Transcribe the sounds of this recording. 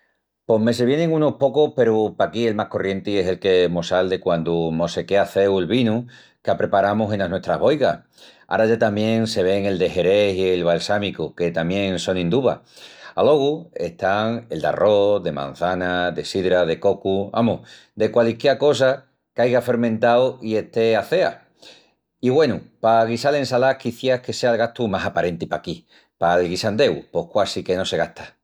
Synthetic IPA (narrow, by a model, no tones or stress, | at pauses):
po̞ɦme̞s̬eβje̞nẽŋũno̞hpo̞kohpe̞ɾupakie̞lmahko̞rje̞nt̪ie̞se̞lke̞mosald̪e̞kwand̪umo̞se̞keaθe̞welβinu | kapɾe̞paɾamose̞naɦnwe̞ht̪ɾaɦβo̞jɣa | a̰ɾaʝat̪amjẽ̞ŋse̞β̞e̞ŋe̞ld̪e̞ɦe̞ɾe̞sielβ̞alsamikuke̞t̪amjẽ̞ŋso̞ŋĩnd̪uβa̰a̰lo̞ɣue̞̰ht̪aŋe̞ld̪a̰rʔo̞ðe̞mã̰n̟θanaðe̞siðɾaðe̞ko̞kua̰mu | d̪e̞kwalikjeɾko̞s̬a | kajɣafe̞ɾmẽnt̪awie̞ht̪e̞aθe̞a̰ | iɣwe̞nupaɣ̞isale̞nsalakiθjahke̞sealɣaht̪umasapaɾe̞nt̪ipaki | palɣisand̪e̞wpo̞hkwasike̞no̞se̞ɣaht̪ʰḁ